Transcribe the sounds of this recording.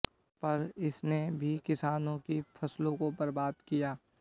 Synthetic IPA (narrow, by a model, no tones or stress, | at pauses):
pɐɾɪsnebʱikɪsaːnõkipʰɐslõkobəɾbaːd̪kijaː